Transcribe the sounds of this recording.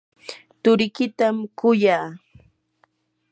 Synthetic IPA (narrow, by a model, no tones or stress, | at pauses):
t̪ʊɾɪkɪt̪amkʊjaː